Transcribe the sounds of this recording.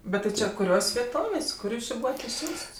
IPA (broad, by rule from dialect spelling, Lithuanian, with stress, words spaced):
ˈbʲɛt tʲɪ ˈt͡ʃʲɛ kʊˈrʲoːsʲ ʋʲiɛˈtoːʋʲeːsʲ ˈkʊr ˈjuːs ˈt͡ʃʲɪ ˈbuːʋɐt ɪʃʲˈsʲuːsts